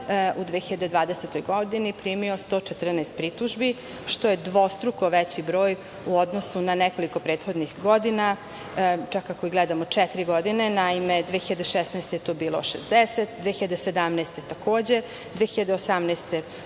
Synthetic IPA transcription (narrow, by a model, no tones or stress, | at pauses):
ud̪ʋexiʎad̪ed̪ʋaːd̪eset̪ojɡod̪inipɾiːmio̞st̪oːt͡ʃet̪r̩nɛːst̪̚pɾit̪uʒbi | ʃt̪ojed̪ʋost̪ɾukoʋɛt͡ɕibɾo̞ːj | uod̪nosunanɛko̞liko̞pɾeːt̪xo̞d̪nixɡod̪ina | t͡ʃakːakoiɡlɛd̪amot͡ʃɛt̪ɾiɡod̪inenaimed̪ʋeːxiʎad̪eʃɛsnɛst̪ejet̪obiːlˠo̰ʃḛzd̪eset̪d̪veːxiʎad̪esed̪amnɛːst̪et̪akoːd͡ʑe̞ | d̪ʋeːxiʎad̪eosamneːst̪e